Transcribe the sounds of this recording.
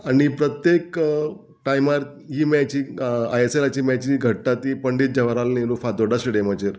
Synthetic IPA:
añipɾət̪jek | ʈajmaɾ | ɦiːmat͡ɕiːajeselat͡ɕiːmat͡ɕiɡʱəʈːat̪ipəɳɖiːt̪̚d͡ʑəʋaɾalnĩɾufad̪oɖəsʈɖemat͡ɕeɾ

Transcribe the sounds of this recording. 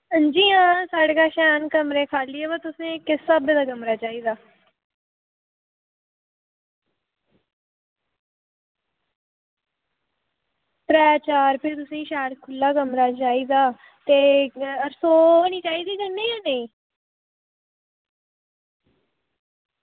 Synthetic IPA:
d͡ʒiːãːsaːɽkaːʃɛːnkəmɾẽːkʰaːliebaːt̪ʊsẽːkɪsəbd̪aːɡəmɾaːt͡ʃaːiːd̪aː | pɾɛːt͡ʃaːɾpʰɪɾt̪ʊsẽːʃɛːʈkʰʊlːaːɡəmɾaːt͡ʃaːiːd̪aː | t̪eːəɾsoːniːt͡ʃaːiːd̪iːd͡ʒənːeːãːneĩː

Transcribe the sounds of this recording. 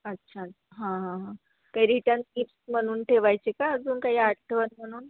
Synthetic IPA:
ətːɕʰatːɕaɦãɦãɦã | kaɦiɾiʈãnt̪iːpsm̤əɽ̃uːnʈʰeʋajt͡ɕekaəd͡zuːnkaɦiːaʈʈʰəʋənm̤əɽ̃uːn

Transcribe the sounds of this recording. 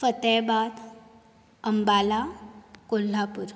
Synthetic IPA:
fət̪ɛbad̪ | əmbalakol̤ːapuɾ

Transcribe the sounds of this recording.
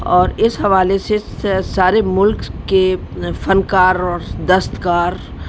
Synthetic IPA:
ɔːɾɪsɦɐʋaːlesesaːɾemʊlkːe | fɐnkaːɾɔːɾd̪ɐst̪kaːɾ

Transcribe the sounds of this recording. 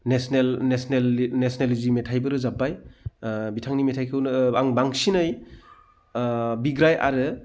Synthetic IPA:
nesnelnesnelnesnelizimetʰajbɯɾɯzabaj | bitʰaŋnimetʰajkʰɯwnaŋbaŋsinɯj | biɡɾajʔa̰ɾɯ

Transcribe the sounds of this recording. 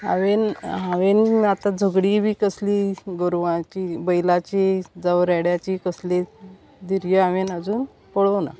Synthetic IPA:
a̰ʋenɦaʋenat̪ad͡zʱəɡɽiːbʱiːkəsliːɡəɾʋãt͡ɕiːbəjlat͡ɕid͡zaʋɾɛɽjat͡ɕiːkəsle | d̪iɾjəaʋenəd͡zuːn | poɽəʋna̰

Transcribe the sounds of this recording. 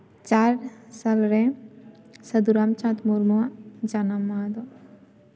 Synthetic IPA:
t͡ʃaːɾsalɾɛ̃ | sɐd̪uɾaːmt͡ʃãt̪muɾmuãd͡ʒanamːaːd̪o

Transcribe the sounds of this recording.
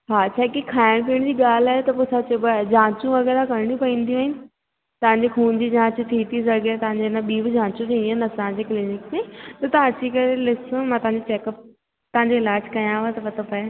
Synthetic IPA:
ɦat͡ɕʰaːkikʰaːɪɽ̃p̬iəɽ̃d͡ʑiːɠaːl̤aːɦet̪ɐpoːsʰat͡ɕebd͡ʑãːt͡ɕũʋɐɣɛːɾakɐɾɪɽ̃ũpɐĩːn̆d̪ijũaːɦɪnɪ̆ | t̪ɐʋ̤ãɲd͡ʑekʰuːnd͡ʑid͡ʑãːt͡ɕũt̪ʰiːt̪ʰizɐɾɡet̪ɐʋ̤ãɲd͡ʑenaɓiːbd͡ʑãːt͡ɕũt̪ʰĩːnd̪ĩːɦɪnɐsããɲd͡ʑeklɪnɪkmẽt̪ɐt̪ɐʋãɐt͡ɕikɐɾelɪsmãt̪ɐɦãɲd͡ʑet͡ɕeːkəp̚ | t̪ɐɦãɲd͡ʑoɪlaːd͡ʑkɐjãːʋat̪ɐpɐt̪ʰopɐe

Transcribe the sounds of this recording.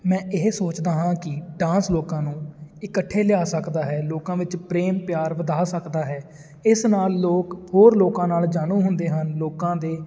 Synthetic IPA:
mɛ̃ːʔɪɦsoːt͡ʃd̪aːɦãːkɪɖãːsloːkãːnũːɪkəʈʰːeːlɪjaːsəkd̪aːɦɛːloːkãːʋɪt͡ʃpɾeːmpjaːɾʋəd̪aːsəkd̪aːɦɛː | ɪsnaːlːoːkhoːɾloːkãːnaːld͡ʒaːɽ̃ũːɦʊnd̪eːɦənloːkãːd̪eː

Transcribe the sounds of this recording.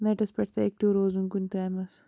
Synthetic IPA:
nɐʈɐspʲɐʈʰt̪ɐek̚ʈuːɾoːzuŋkunʲt̪aːmɐs

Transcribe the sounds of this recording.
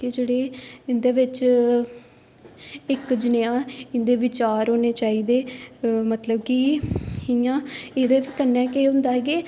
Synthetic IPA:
ked͡ʒeːɽeːɪnd̪eːʋɪt͡ʃ | ɪkd͡ʒɪneãːɪnd̪eːʋɪt͡ʃaːɾoːneːt͡ʃaːiːd̪eːmət̪ləb̚kiɪjãːeːd̪eːʋit̪ənːãːkeːɦʊ̃nd̪aːɦɡeː

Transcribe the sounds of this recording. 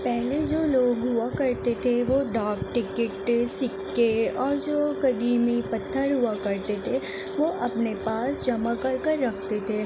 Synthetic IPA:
pɛɦled͡ʒoːloːɡɦʊakɐɾt̪et̪ʰeʋoːɖaːk̚ʈɪkɪʈsɪkːeɔːɾd͡ʒoːkɐd̪iːmipɐt̪ʰːəɾɦʊakɐɾt̪et̪ʰe | ʋoʔɐpnepaːsd͡ʒɐmakɐɾkɐɾːɐkʰt̪et̪ʰeː

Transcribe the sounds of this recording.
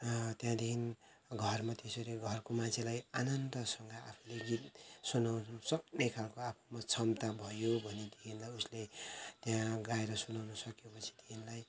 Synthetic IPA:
t̪jãd̪ekʰin | ɡʱʌrmat̪esoɾeɡʱʌrkomãnt͡sʰelajanʌnt̪ʌsʌŋɡʌa̰pʰuleɡit̪sunawsʌk̚nejkʰalkoapʰumat͡sʰʌmt̪abʱʌjobʱʌned̪ekʰinlajuslet̪jãɡaeɾʌsunawnʌsʌkjopʌt͡sʰi̥t̪inlaj

